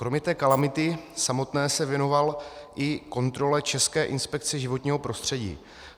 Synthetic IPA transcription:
kɾo̞mɲɛt̪ɛːkalamɪt̪ɪsamo̞t̪nɛːsɛvjɛno̞valʔɪko̞nt̪ɾo̞lɛt͡ʃɛskɛːʔɪnspɛk̚t͡sɛʒɪvo̞t̪ɲiːɦo̞pɾo̞st̪r̝̥ɛɟḭː

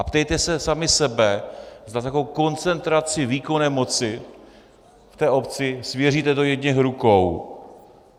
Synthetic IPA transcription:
ʔapt̪ɛjt̪ɛsɛsamɪsɛbɛzd̪at̪ako̞wko̞nt͡sɛnt̪ɾat͡sɪviːko̞nɛːmo̞t͡sɪ | ft̪ɛːʔo̞pt͡sɪsvjɛriːt̪ɛt̪ojɛd̪ɲɛxɾukow

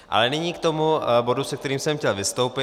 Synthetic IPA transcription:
ʔa̰lɛnɪɲiːkt̪omubo̞dusɛk̚t̪ɛɾiːmsɛmxcɛlvɪst̪o̞wpɪ

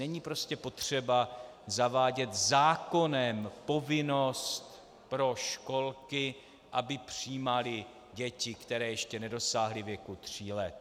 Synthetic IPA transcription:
ɛɲiːpɾo̞scɛpo̞t̪r̝̥ɛba | zavaːɟɛt̪zaːko̞nɛmpo̞vɪno̞st̪ | pɾo̞ʃko̞lkɪ | ʔabɪpr̥iːmalɪ | ɟɛcɪkt̪ɛɾɛːjɛʃcɛnɛdo̞saːɦlɪvjɛkut̪r̝̥iːlɛt̪

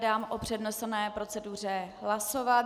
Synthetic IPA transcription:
daːmʔopr̝̥ɛdnosnɛːpɾo̞t͡sɛdur̝ɛɦlaso̞va

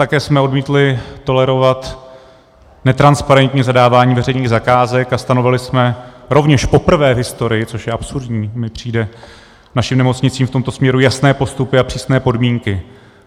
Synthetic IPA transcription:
t̪akɛːsmɛo̞dmiːt̪lɪt̪o̞lɛɾo̞vat̪ | nɛt̪ɾanspaɾɛnt̪ɲizadaːvaːɲiːvɛrɛjɲiːɣzakaːzɛkast̪ano̞vɪlɪsmɛɾo̞vɲɛʃpo̞pr̩vɛːvɦɪst̪o̞ɾɪjɪt͡so̞ʃjɛʔapsuɾdɲiːmɪpr̝̥iːdɛ | naʃimnɛmo̞t͡sɲɪt͡siːmft̪omt̪o̞smɲɛɾujasnɛːpo̞st̪upɪapr̝̥iːsnɛːpo̞dmiːŋkɪ

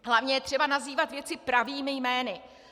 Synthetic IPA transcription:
ɦlavɲɛjɛt̪r̝̥ɛbanaziːvat̪vjɛt͡sɪpɾaviːmɪjmɛːnɪ

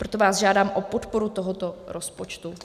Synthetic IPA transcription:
pɾot̪o̞vaːzʒaːdaːmʔopot̪poɾut̪oɦot̪oɾʔospot͡ʃt̪u

